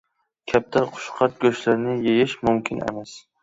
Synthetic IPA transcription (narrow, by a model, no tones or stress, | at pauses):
kʲʰap̚t̪ʰaɾqʰʊ̥ʃqʰɑt̪̚ɡʲɵʃlaɾnɪjejɪʃmʊmkʲʰɪnḛmas